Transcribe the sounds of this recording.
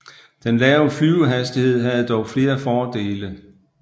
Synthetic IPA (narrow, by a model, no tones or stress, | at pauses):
d̥enlɛːʊəflyʊɦæsd̥ihe̝ð̞̰ˠɦæð̞̩ˠd̥ɒʊfle̝ːɐfɒːd̥e̝̰ːlə